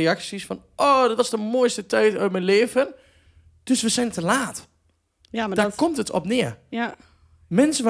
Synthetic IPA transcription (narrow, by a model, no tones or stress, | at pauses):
eaksisfɔnʔoːdɔtʋɔsdəmojstətɛjtœːt̚mɛnleːvən | d̥øsʋəsɛjntəlaːt | d̥akɔmtətɔ̰pnɪə | mɛnsəʋ